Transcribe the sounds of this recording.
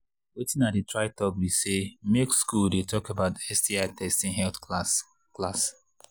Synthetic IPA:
wetɪ̃nat̚ditɹaɪtɔɡwisemekskuldetɔkebaʊtɛstiaɪtɛstĩŋɦɛlθs | klas

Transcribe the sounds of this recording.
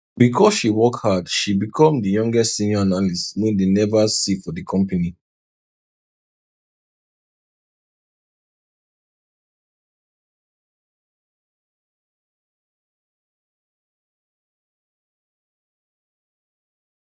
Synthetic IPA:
bikʰɔsʃiwɔkhadʃibikʰɔ̃mdəjɔ̃ŋɡɛstsĩnjɔanaliswẽdenɛvasifɔdikʰɔ̃mpəni

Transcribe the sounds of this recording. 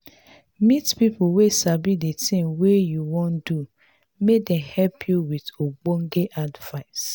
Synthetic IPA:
mitpipʊwesabidetĩŋwejuwɔ̃ndu | medɛ̃mhɛlpʰjuwidoɡ͡boŋ̩ɡeʔadvaɪs

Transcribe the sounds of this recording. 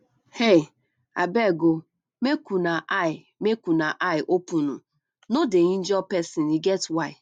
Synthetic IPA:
he | a̰bɛɡo | mekunaʔaɪ | mekunaʔaɪʔopunu | nodeɲin̩d͡ʒɔpɛsiniɡɛtwaɪ

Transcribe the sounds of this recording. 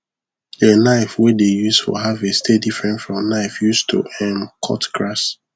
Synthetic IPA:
enaɪfwɛdejusfɔ̰ɦavestʰedifɹɛ̃ntfɹɔ̃mnaɪfjustʰṵʔɛ̃mkʰɔ̰tkɹas

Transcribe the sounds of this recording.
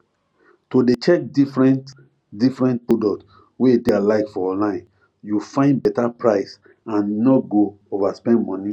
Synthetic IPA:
todet͡ʃɛk̚difɹɛ̃nt | difɹɛ̃nt̚podɔkt | wedealaɪkfɔɔ̃nlãɪ̃n | jufãɪ̃ndbɛtapɹaɪs | ãnːɔtɡo | ovaspɛ̃ndmɔ̃ni

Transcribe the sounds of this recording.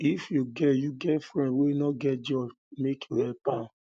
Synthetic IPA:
ifjuɡɛjuɡɛtfɹɛ̃ndwenɔɡɛt̚d͡ʒɔs | mekjuhɛpã

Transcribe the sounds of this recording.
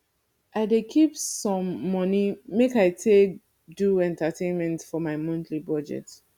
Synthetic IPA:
ʔaɪdekʰipsɔ̃mːɔnimekaɪtʰek̚ | duɛ̃ntətʰẽnmɛ̃ntfɔmaɪmɔ̃ntʰlibɔd͡ʒɛ̰t

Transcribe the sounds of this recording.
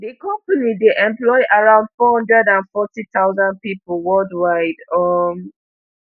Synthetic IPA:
dikɔ̃mpanideʔɛ̃mplɔɪʔaɹãʊ̃ndfɔhɔ̃ndɹɛdãnfɔtit̪aʊzãnd̚pipl̩wɜldwaɪdɔm

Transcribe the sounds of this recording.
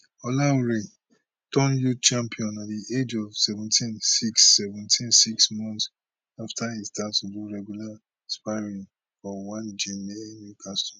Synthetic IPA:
ɔlaɹe | tɔ̃njut͡ʃãmpʰiɔ̃natdiʔed͡ʒɔvsɛvɛ̃ntĩnsiksːɛvɛ̃ntʰĩnsiksmɔ̃nts | aftʰaistatuduɹɛɡjula | spaɪɹĩŋ | fɔwãnd͡ʒemeenjukʰastɔ

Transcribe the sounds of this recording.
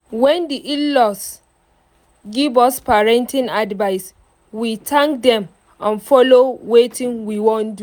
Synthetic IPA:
wɛ̃ndiʔillɔs | ɡivɔspaɹɛ̃ntʰĩnadvaɪs | witʰãŋk̚dɛ̃m | ãnfɔlowetʰĩnwiwɔ̃ndu

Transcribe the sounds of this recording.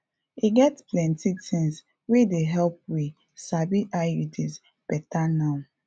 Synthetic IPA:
iɡɛtplɛ̃ntitĩŋs | wedeɦɛlp̚wi | sabiʔajudiz | pɛtana

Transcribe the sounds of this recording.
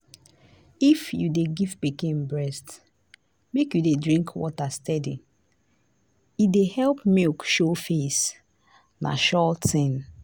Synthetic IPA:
ifjudeɡivpikẽmbɹɛst | mekjudedɹĩŋkʰwɔ̰tastɛdi | idehɛlpmekʃofes | na̰ʃɔtĩn

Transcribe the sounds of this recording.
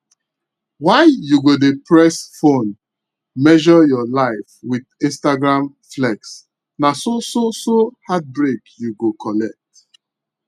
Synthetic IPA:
waɪjuɡodepʰɹɛsfõn | mɛʒɔjɔlaɪfwidĩnstaɡɹãm | flɛks | nasososohat̚bɹekjuɡokʰɔlɛk̚t

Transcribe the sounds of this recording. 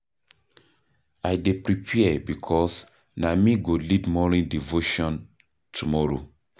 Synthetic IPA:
ajdepɹipʰiɛbikʰɔs | namiɡolidmɔnĩndivoʃɔ̃n | tʰumɔɾo̰

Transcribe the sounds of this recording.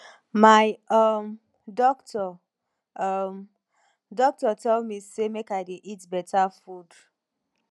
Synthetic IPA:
maɪɔm | dɔktɔ | m | dɔk̚tɔtɛldmisemekaɪdeʔitbɛtafud

